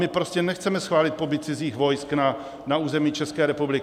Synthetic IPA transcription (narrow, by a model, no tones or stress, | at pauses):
mɪpɾo̞scɛnɛxt͡sɛmɛsxvaːlɪt̪̚po̞bɪt̪̚t͡sɪziːxvo̞jskna | nauːzɛmiːt͡ʃɛskɛːɾɛpublɪk